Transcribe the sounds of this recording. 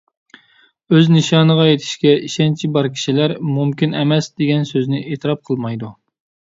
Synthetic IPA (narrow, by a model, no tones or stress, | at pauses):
øznɨʃɑːnəʁɑjet̪ʰɪ̥ʃkʲɛiʃɛnt͡ʃʰibɑɾkʲʰi̥ʃilæɾmumkʲinɛmɛsd̪eɡʲɛnsøznɪʔet̪ɨɾɑp̚qʰəlˠmɑjd̪u